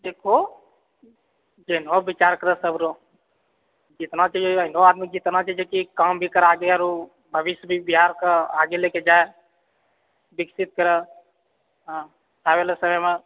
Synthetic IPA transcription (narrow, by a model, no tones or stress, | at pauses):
d̪ekʰo | d͡ʒenobit͡ʃaɾkəɾəsəbʱɾo | d͡ʒit̪nat͡ʃʰɛd͡ʒəinoad̪mid͡ʒit̪nat͡ʃʰad͡ʒekikambʱikəɾaɡeaɾo | bʱəʋiʃjəbʱibiɦaɾkəaɡeleked͡ʒae | biksit̪̚kəɾə | ɦ | tʰabelesəməme